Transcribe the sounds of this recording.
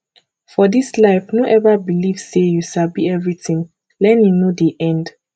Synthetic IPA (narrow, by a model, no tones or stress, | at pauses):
fɔdislaɪfnoʔɛvabiliv̥sejuʃabiɛvɹitĩŋ | lɛ̃ninodiʔɛ̃nd